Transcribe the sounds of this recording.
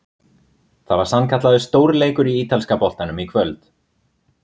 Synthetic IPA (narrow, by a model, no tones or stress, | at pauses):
θavaɾ̥sankʰat̪laðʏst̪oːwɾleːjkʏɾiiːt̪alskapɔl̥t̪anʏmikʰvœlt̪